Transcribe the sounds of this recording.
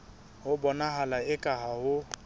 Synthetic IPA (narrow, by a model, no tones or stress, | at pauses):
hʊbɔnaɦalaɪkʼaɦahʊ